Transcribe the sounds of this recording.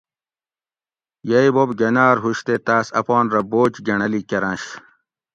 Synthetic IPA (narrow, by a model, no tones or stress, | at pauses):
jɐjbobɡɐnaːɾɦuɕt̪et̪aːsɐ̰pɑːnɾɐboːt͡ɕɡɐɳɐlikɐɾɐ̃nɕ